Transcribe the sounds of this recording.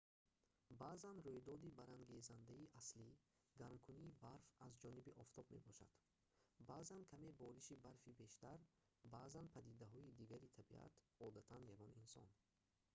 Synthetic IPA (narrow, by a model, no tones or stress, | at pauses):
baːzanɾujd̪ɔd̪ibaɾaŋɡezand̪aiʔasli | ɡaɾmkʰuniːbaɾfazd͡ʒɔnibiʔɔft̪ʰɔbme̞̰bɔʃa̰d̪̥ | baːzankʰame̞bɔɾiʃibaɾfibe̞ʃt̪aɾ | baːzanpʰad̪id̪aɦɔid̪iɡaɾit̪ʰabia̰t̪ | ɔd̪at̪ʰanjaɡɔninsɔ̰n